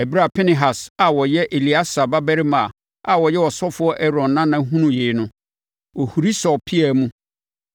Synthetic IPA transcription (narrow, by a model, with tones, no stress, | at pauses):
ɛ˨bi˦ɾa˨pʰɪ˦nɪ̃˨ɦa˨sa˨wɔ˨jɛ˦ʔe˨li˨˦a˦sa˨ba˦bæ˦ɾɪ˦mã˨ | a˨wɔ˨jɛ˦wɔ˨sɔ˦fʊ˦ɔ˦ʔɛ˦ɾɔ̃˨nːã˦nã˦ɦũ˦nũ˨jeː˨˦nʊ̃˦ | ɔ˨hu˨ɾi˦sɔ˨pʰi˦ɛ˨mũ˦